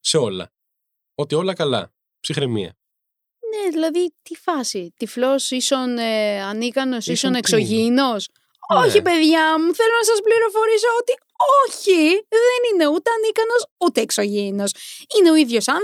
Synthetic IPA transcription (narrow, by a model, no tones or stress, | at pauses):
seo̞lɐ̰ | o̞t̪io̞lɐkɐlɐ̰ | psixɾemḭɐ̰ | ne̞ðilɐðit̪ifɐsit̪iflo̞siso̞neɐnikɐno̞sisone̞kso̞ʝino̞s | o̞çipe̞ðʝɐmuθe̞lo̞nɐsɐspliɾofo̞ɾiso̞ot̪i | oçiðe̞nine̞ut̪eɐnikɐno̞sut̪e̞ːkso̞ʝino̞sine̞o̞iðʝo̞sɐn